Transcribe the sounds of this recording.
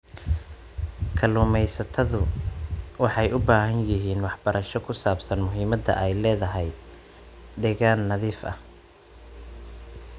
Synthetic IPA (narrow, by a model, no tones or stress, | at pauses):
kʰɐluːmɛjsɐt̪ʰɐðʊ | wɑħɑjʔʊbaːhɐnjɪɦiːnwɑħbɐɾʔɐʃɔkʰʊsaːbsɐnmʊɦiːmɐd̪ɐ̰ʔɛjlɛːðɐɦɛj | d̪ɛːɣaːnːɐðiːfʔɐ̰h